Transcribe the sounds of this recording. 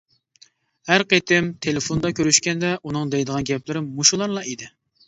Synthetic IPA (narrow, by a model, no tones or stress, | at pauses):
hæɾqet̪ɪmt̪ʰelɪfond̪ɑkʲøɾyʃkʲɛnd̪ɛʔunɨŋd̪ɛjd̪əʁɑnɡʲɛplɪɾɪmuʃulˠɑɾlˠɑid̪ɪ